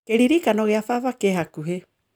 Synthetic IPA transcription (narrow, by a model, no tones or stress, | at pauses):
keɾiɾikanoɣeafavakeɦakuɦe